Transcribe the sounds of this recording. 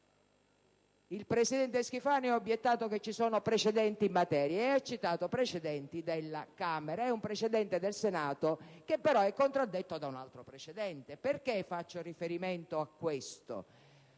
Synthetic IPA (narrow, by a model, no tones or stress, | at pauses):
ilpɾesid̪ɛnt̪eskifaːnoɛobjet̪ːaːt̪oket͡ʃːisɔːnopɾet͡ʃed̪ɛnt̪imːat̪ɛːɾjaeat͡ʃːit̪aːt̪opɾet͡ʃed̪ɛnt̪id̪elːakameɾaɛumpɾet͡ʃed̪ɛnt̪ed̪elsenaːt̪okepːeɾɔɛkːont̪ɾad̪ːet̪ːod̪auna̰lt̪ɾopɾet͡ʃed̪ɛnt̪eperk̟efat͡ʃːorifeɾiment̪oakːwest̪o̰